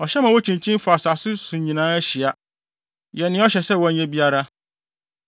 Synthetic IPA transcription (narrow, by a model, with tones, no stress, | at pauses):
ɔ˨ɕɛ˦mã˨wɔ˦t͡ɕʰĩ˨ɲt͡ɕʰĩ˦m˦fʊ˨a˨sa˨sʊ˦sũ˨ɲĩ˨nãː˦æ˦ɕi˨a˦ | jɛ˨nɪ̃˦ɔ˦ɕɛ˨sɛ˦˨wɔ˨æ˨˦ɲɛ̃˦bi˦a˦ɾa˦